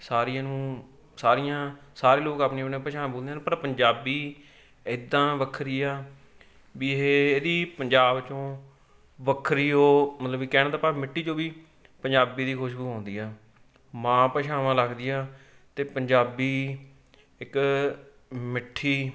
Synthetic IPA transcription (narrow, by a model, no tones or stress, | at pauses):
saːɾijãːnũː | saːɾɪjãːsaːɾeːloːkaːpneːnẽːpəʃãːboːld̪ẽːaːñpəɾpəɲd͡ʒaːbiː | ɪd̪ːãːʋəkʰɾiːaː | biːɦeːeːd̪iːpəɲd͡ʒaːbt͡ʃõː | ʋəkʰɾiːɦoːmət̪ləbikɛːnːt̪aːpaːmɪʈʰːiːd͡ʒoːbiː | pəɲd͡ʒaːbiːd̪iːkʰoʃɡuːɦãːnd̪iːaː | mãːpəʃaːʋãːləɡd̪ɪjãː | t̪eːpəɲd͡ʒaːbiː | ɪk | mɪʈʰːiː